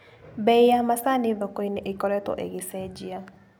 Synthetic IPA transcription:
bɛijamasaneðɔkɔineʔekɔɾɛtɔ̰ʔḛɣesɛd͡ʑia

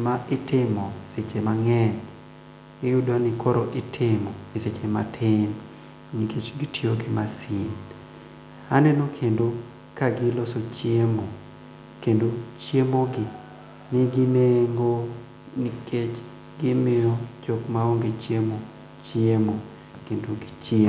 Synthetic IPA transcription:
maɪtɪmɔeset͡ʃemaŋɛn | ɪjudanɪkoɾoʔɪtʰɪmɔeset͡ʃema̰tʰɪn | nikʰet͡ʃɡitioɡɪmasin | anɛnokʰendo | kaɡɪlosot͡ʃjemo | kendot͡ʃjemoɡɪ | nɪɡineŋɡo | nikʰet͡ʃ | ɡɪmɪjɔd͡ʒɔkmaoŋɡet͡ʃjemo | t͡ʃiemo | kendoɡit͡ʃe

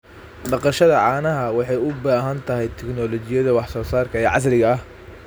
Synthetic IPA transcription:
ɖɑqɑʃɐðɐʕɑːnɐɦɐwɑħɑjʊbaːɦɐnt̪ʰɐɦɛjt̪ʰɛknɔːlɔt͡ʃɪjɐðɐwɑħsɔːsaːrkʰɐɛʕɑ̰s̬rɪɣɐɐh

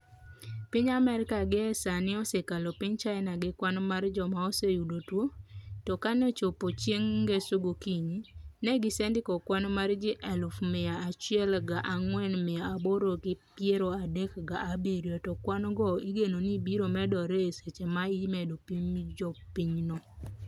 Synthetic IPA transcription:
pɪɲamɛɾɪkaɡɪɛsanɪɔsekalopɪɲt͡ʃaɛnaɡɪkwanmard͡ʒɔmaɔsejudotwotɔkanɛt͡ʃopot͡ʃjeŋɡesʊɡokiɲinɛɡɪsendɪkɔkwanmard͡ʒɪʔɛlufmɪaːt͡ʃɪɛlɡaʔaŋwɛnmɪaːboɾokɪpjeɾoadekɡaabeɾjotɔkwanɡɔiɡenonibiɾomɛdɔɾeeset͡ʃemaimedopiɲd͡ʒɔpiɲnɔ

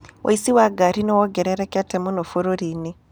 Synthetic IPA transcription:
wʔa̰isiwaɡaɾinowɔɡeɾeɾekatemunofuɾoɾini

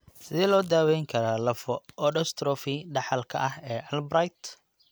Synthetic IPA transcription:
sɪðɛlɔːd̪aːwɛjŋkʰɐɾaːlɐfɔɔɖɔst̪ʰɾɔfiɖɑħɑlkʰɐ̰ʔɐɦɛːʔɐlbɾajt̪

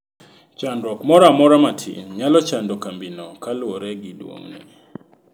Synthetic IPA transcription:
t͡ʃandɔkmɔɾamɔɾamatʰḭnɲalɔt͡ʃandokambinɔkalwoɾɛɡidwo̰ŋnḭ

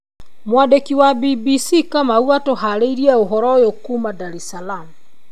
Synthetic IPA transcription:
mwadekiwabibisikamauatoɦaɾeiɾiaoɦɔɾɔjokumadaɾɛsalamu

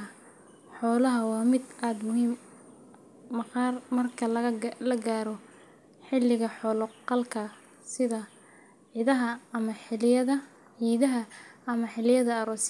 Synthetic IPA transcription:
ħɔːlɐɦɐwɑːmɪd̪ʔaːd̪mʊɦiːm | ɐqɑːrmɐrkʰɐllɐɡaːɾɔ | ħɪlːɪɣɐħɔːlɔqɑlkʰɐ | sɪðɐ | ʕɪðɐɦɐːmɐħɪlɪjɐðɐ | ʕiːðɐɦɐɐmɐħɪlɪjɐðɐɐɾɔːs

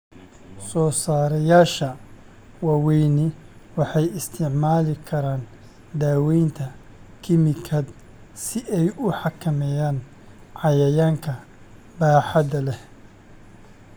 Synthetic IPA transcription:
sɔːsaːɾɐjaːʃɐ | wɑːwɛjnɪ | wɑħɑjɪst̪ʰɪʕmaːlɪkʰɐɾaːn | d̪aːwɛjnt̪ʰɐ | kʰɪmɪkʰɐd̪ | sɪʔɛjʊħɑkʰɐmɛjaːn | ʕɑjɐjaːŋkʰɐ | baːħɑd̪ɐlɛ

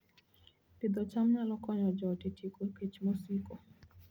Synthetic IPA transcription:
tid̪ɔt͡ʃamɲalɔkɔɲɔd͡ʒɔtetʰikoepet͡ʃmosiko

